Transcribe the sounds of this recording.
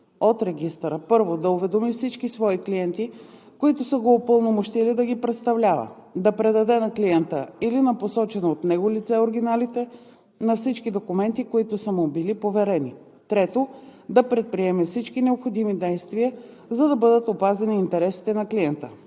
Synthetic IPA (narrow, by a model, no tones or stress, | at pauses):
ot̪ɾɛɡ̟ist̪ɾəpɤɾvod̪ɐovɛd̪omifsit͡ʃkisvɔikliɛnt̪i | koit̪ʊsəɡoːpɤlˠnomoʃt̪ilid̪ɐɡipɾɛt̪st̪ɐvlʲavə̰d̪ɐpɾɛd̪ɐd̪ɛnɐkliɛnt̪əilinɐposɔt͡ʃɛnoot̪nɛɡolit̪sɛoɾɡ̟inalit̪ɛ | nɐfsit͡ʃkid̪okʊmɛnt̪ikoit̪ʊsəmubilipovɛɾɛni | t̪ɾɛt̪od̪ɐpɾɛt̪̚pɾiɛməfsit͡ʃkinɛopxod̪imid̪ɛjst̪viə | zɐd̪ɐbɤd̪ət̪opazɛniːnt̪ɛɾɛsi̥t̪ɛnɐkliɛnt̪ə